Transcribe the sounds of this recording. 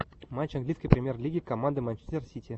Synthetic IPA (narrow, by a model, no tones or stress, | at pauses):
mat͡ɕaŋɡlʲijsʲkijpɾʲɪmʲjerlʲiɡʲikomand̪ɨmanʲt͡ʃe̥sʲt̪ʲersʲitʲi